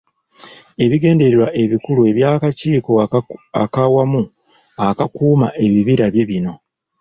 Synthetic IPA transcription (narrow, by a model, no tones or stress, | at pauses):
e̞βiɡe̞ːnde̞ɾeɾwaʔe̞βikulue̞βjaːkaciːko̞a̰kawamu | akakuːmaʔe̞βiβiɾaβje̞βino̞